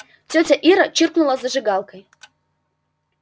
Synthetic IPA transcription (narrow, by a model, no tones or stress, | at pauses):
t͡sʲot͡sʲɐʔiɾɐt͡ɕɨrknʊlˠɐzɐʐɨɡalˠkɐj